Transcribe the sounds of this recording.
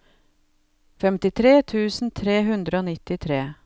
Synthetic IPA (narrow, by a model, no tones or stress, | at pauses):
fɛmt̪ɪt̪ʰɾeːt̪ʰʉːsn̩t̪ʰɾeːɦʉnd̪ɾəoːnɪt̪ɪt̪ʰɾeː